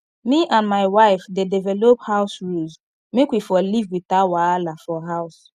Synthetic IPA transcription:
miʔãndmaɪwaɪfdedɛvɛlophaʊsɹulz | mekwifɔlivwitawaalafɔɦaʊs

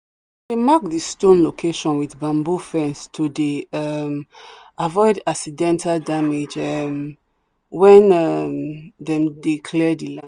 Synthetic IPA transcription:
demak̚distõnlokʰeʃɔ̃nwiθbãmbufɛ̃nstʰudeam | avɔɪdaksidɛ̃ntaldamed͡ʒɛm | wɛ̃nɛmdɛ̃mdekʰlɛdila

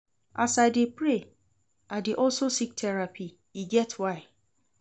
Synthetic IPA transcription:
a̰sadepɾe | adɪʔɔlsosik̚tʰɛɹapʰi | iɡɛtʰwaɪ

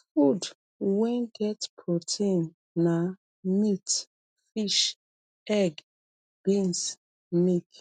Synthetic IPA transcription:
fud | wɛ̃nɡɛtpʰɹotʰẽnː | a | mit | fiʃ | ɛɡ | b̥ĩns | mik

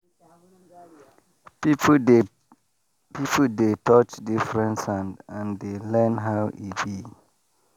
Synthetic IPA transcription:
pipʰodetɔt͡ʃdifɹɛ̃ntsãndãndelɛ̃nɦaʊʔḭbi

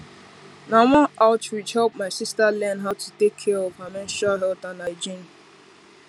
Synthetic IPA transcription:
nawɔ̃ʔaʊtɹid͡ʒhɛlp̚maɪsistalɛ̃nɦaʊtʰutekʰːɛɔvamɛ̃nʃalɦɛltãnaɪd͡ʒĩn

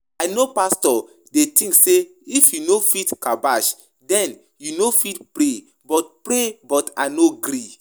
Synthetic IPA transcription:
ajnopastɔ | detĩŋkseifjunofitkabaʃ | dɛ̃n | junofitpɾe | bɔt̚pɾebɔta̰noɡɾi

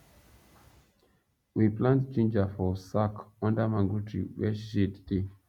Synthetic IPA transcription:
wiplãntt͡ʃẽnd͡ʒafɔsakɔ̃ndəmãŋɡutʰɹḭwɛ̰ʃidde

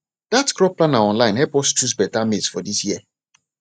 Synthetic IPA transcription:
d̥atkɾɔpːlanaɔ̃nlãɪ̃nɦɛpɔstt͡ʃus̬bɛtamitsfɔdisjiə

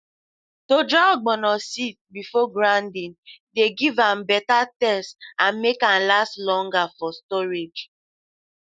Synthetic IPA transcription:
tod͡ʒaɡ͡bɔnɔsitbifɔɡɾãndĩndeɡivambɛtatɛstãnmekãnlastlɔ̃ŋɡafɔstɔɾed͡ʒ

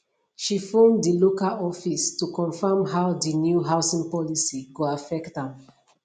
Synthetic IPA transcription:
ʃifɔ̃mdilokalɔfistukɔ̃nfamɦaʊdinjuɦaʊsĩŋpɔlisiɡuafɛktãm

